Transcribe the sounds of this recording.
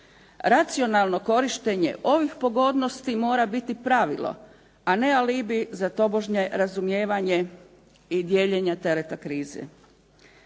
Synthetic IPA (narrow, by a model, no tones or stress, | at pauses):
ɾat̪sio̞nalˠno̞ko̞ɾiʃt̪e̞ɲe̞̰ʔo̞ʋixpo̞ɡo̞d̪no̞st̪imo̞ːɾabit̪ipɾaʋḭlo̞̰ | ane̞alibizat̪o̞bo̞ʒɲe̞ɾazumjeːʋaɲe | id̪jeːʎeɲat̪e̞ɾet̪akɾiːzḛ